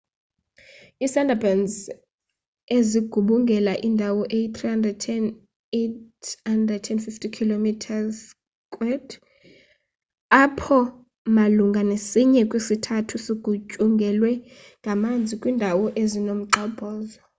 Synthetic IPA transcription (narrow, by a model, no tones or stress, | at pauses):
isandʱabanz | eziɡ̥ʱuɓuŋɡʱɛlaʔindʱawɔʔejit̪ʰʼrihandrɛd̚tʰɛn | etandʱrɛd̚tʰɛnfiftikʰilomitʰas | kʼwɛd̥ | apʰɔ | maluŋɡʱanesiɲɛkʼwisitʰatʰusiɡ̥ʱut͡ʃʼuŋɡʱɛlwɛ | ŋɡʱamand͡zʱikʼwiːndʱawɔʔezinom̩ǁɔb̥ʱɔːzɔ